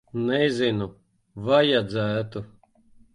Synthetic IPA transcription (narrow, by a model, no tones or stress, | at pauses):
nɛzʲinu | vajad̪zæːt̪u